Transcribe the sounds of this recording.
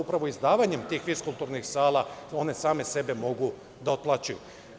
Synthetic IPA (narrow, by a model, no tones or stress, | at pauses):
upɾaʋo̞izd̪aːʋaɲe̞mt̪iːxʋiskulˠt̪uːɾnixsaːlˠao̞ne̞saːme̞se̞be̞mo̞ɡu | d̪aot̪̚plˠat͡ʃuju